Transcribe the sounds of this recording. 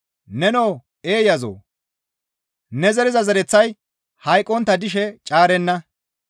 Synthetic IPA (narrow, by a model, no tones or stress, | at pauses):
nɛnoː | eːjɐzo̰ː | nɛzɛɾɪzɐzɛɾɛt͡sːɐj | hɐjkʼːɔnt̪ːɐd̪ɪʃɛt͡ʃʼaːɾɛnːɐ